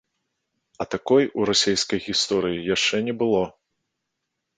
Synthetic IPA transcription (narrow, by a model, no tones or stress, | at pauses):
ɐt̪akɔjuɾasʲejskɐjɣʲist̪ɔɾɨjijaʂt͡ʂɛnʲɛbɨlˠɔ